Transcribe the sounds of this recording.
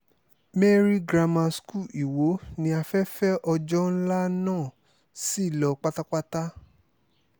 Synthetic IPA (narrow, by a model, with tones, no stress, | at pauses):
me˦ɾi˦ɡɾa˧mã˧sku˦˨i˨wo˨˦nĩ˧˦a˧fɛ˦fɛ˦ʔɔ˧d͡ʒɔ˦n̩˦la˦nãː˦˨ | si˦˨lɔ˨k͡pa˦ta˦k͡pa˦ta˦